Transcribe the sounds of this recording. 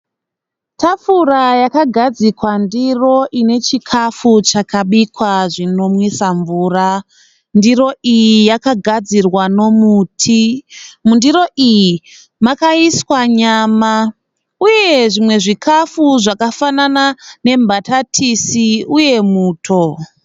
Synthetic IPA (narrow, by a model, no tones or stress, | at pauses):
tʰafurajakaɡʱad͡zikwandiro̞ʔine̞t͡ʃikʰafut͡ʃakʰaɓikwaʐino̞mwisaɱvuːra | ndiro̞ʔijijakaɡʱad͡zirwano̞muːtʰimundiɾo̞ʔiji | makaiswaɲaːma | uje̞ʐimwe̞ʐikʰafuʐakafananane̞mbʱatatʰisiuje̞muːtʰo̞